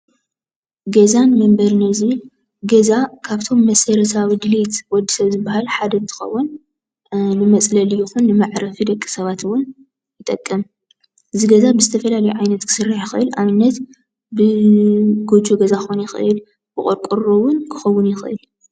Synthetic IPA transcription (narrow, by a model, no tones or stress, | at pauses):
ɡɐzanmɐmbɐɾnɐzi | ɡɐzakʰaβt̪ʰo̞mːɐsɐɾɐsʰawid̪ɨlit̪wɔd̪ːisɐβzɨbːahalħad̪ɐnt̪ʰɨ̥xɐ̰wːun | nɨmɐt͡sʼlɐljɪxunːɨmaʕɾɐfid̪ɐkʼːi̥sɐβat̪wʊn | jɪt̪ʼɐkʼːɨm | ʔɨziɡɐzabɨzɨt̪ʰɐfɐlalɐjuʕajnɐt̪kʰɨ̥sɨrːaħjɪxʔɨlʔaβɨnːɐt̪ | bɨ | ɡod͡ʒoɡɐzaxunjɪxɨ̰ʔɨl | bɨ̰χʼoɾkʼuɾowʊnkʰɨ̥xɐwːʊnjɪxʔɨ̰l